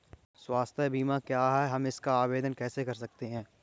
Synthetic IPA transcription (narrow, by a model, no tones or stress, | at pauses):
swaːst̪ʰebiːmãkjaːɦɛɦɐmɪskaaːbeːd̪ənkɛːsekɐɾsɐk̚t̪eɦɛ̃ː